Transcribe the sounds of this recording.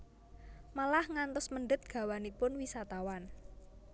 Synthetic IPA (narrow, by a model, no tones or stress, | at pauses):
malahŋant̪ʊsməɳɖət̪̚ɡ̥a̤wanipʊnwisat̪awan